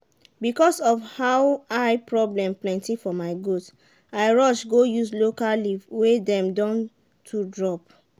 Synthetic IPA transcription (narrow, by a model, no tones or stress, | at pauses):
bikɔsɔfhawaɪpɹɔblɛ̃mplɛ̃ntifɔmaɪɡot | aɪɹɔʃɡojuslokaliwedɛ̃mdɔ̃n | tʰudɹɔp̚